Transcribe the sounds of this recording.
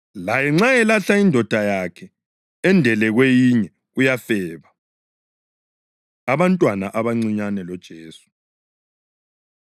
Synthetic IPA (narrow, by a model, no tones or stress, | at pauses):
lajɛŋ͡ǁaɛlaɬaindʱɔd̥ʱajakʰɛ | ɛndʱɛlɛɣwejiɲɛ | ɣujafɛːβa | aβantʼwanaʔaβaŋ͡ǀiɲanɛlɔd̥ʒ̥ʱeːsu̥